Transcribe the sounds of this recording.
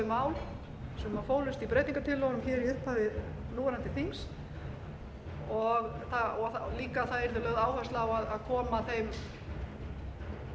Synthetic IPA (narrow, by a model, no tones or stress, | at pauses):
ɪmaːwl | sɛmmafoːwlʏst̪ipɾeːjt̪niŋkat̪ʰɪlːɔɣnʏmçɛːɾiʏhpaðɪnuːɾant̪ɪθiŋs | ɔɣθaɔliːkaθaðɛɾðɪlœːɣðaːwhœst̪laːwaðaðkʰɔːmaθejm